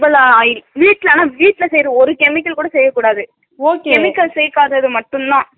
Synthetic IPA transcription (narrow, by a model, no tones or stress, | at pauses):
bɐlaːaːjɪlʋiːʈːɪlaːnaːʋiːʈːɪlɐsɛjɾɯ̃ɔɾɯkɛmɪkːɐlkuːɽɐsɛjːɐkːuːɽaːðɯ | oːkekɛmɪkːɐlsɛjkaːðɐɐðɯmɐʈːɯnd̪ãː